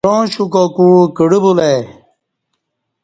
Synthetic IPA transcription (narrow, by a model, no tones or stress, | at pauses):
õːɕukokukiɽibule